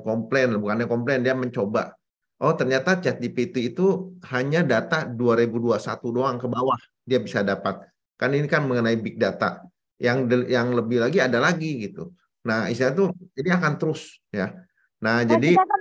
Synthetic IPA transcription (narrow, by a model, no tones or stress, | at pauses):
kɔmplenbukanɲakɔmplendiaməɲt͡ʃoba̰ | ʔɔt̪ərɲat̪at͡ʃɛt̪̚ipit̪iːt̪uhaɲadat̪aduaɾebuduasa̰t̪udoaŋkəbawah | diabisadapat̪̚ | karninikanməŋənaibɪk̚dat̪a̰ | jaŋəjaŋləbɪhlaɡiadalaɡiɡit̪ṵ | nahisiat̪ud͡ʒadiakant̪əɾʊs | ja | nahd͡ʒadi